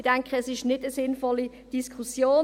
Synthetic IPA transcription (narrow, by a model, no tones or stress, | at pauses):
d̥ɛŋkχəɛsɪʃnɪdəsɪnfɔli | d̥iskʰχusjoː